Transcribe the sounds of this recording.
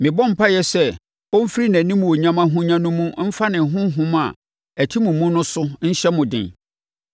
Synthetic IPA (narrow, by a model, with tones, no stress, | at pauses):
mɪ̃˨bɔ̃˦m̩˨pʰa˦jɛ˦sɛ˦ | ɔ˦m̩˦fi˦ɾi˦næ̃˨nĩ˦mũ˨o˨ɲã˦mã˦ɦʊ̃˦ɲã˦nʊ̃˦mũ˦m̩˦fa˦nɪ̃˨ɦʊ̃˦ɦʊ̃˦ma̰˨ | æ˨tʰi˦mũ˨mũ˦nʊ̃˦sʊ˦n̩˦ɕɛ˦mʊ̃˨dɪ̰̃˨n